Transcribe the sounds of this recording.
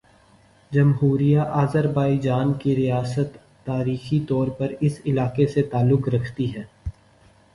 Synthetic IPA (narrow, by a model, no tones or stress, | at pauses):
d͡ʒɐmɦuːɾijaʔaːzəɾbaːid͡ʒaːnkiɾijaːsət̪ː | aːɾiːxit̪ɔːɾpɐɾɪsɪlaːkeset̪aːlːʊkɾɐkʰt̪iɦɛː